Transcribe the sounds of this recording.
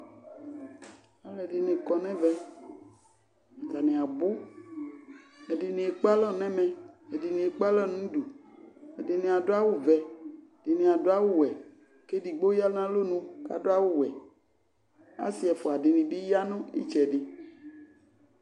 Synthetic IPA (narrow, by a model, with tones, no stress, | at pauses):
a˦lɛ˨ɖɪ˨nẽ˨kɔ˨nɛ̃˦vɛ˦ | a˨ta˨nẽ˨a˨bo˦ | e˨di˨nẽ˨e˨k͡pa˦lɔ˦nɛ̃˦mɛ̃˨e˨di˨nẽ˨e˨k͡pa˦lɔ˦nũ˦du˨e˨de˨nẽ˨a˨do˦a˦wu˦vɛ˨de˨nẽ˨a˨do˦a˦wu˦wɛ˨ | ke˦di˨ɡ͡bo˦ja˦lã˦lo˦nũ˦ka̰˨do˦a˦wu˦wɛ˨ | a̰˦si˦ɛ˨fo˨a˨dɪ˨nĩ˨bi˦ja˦nõ˦ḭ˦t͡ʃɛ˨ɖɪ˨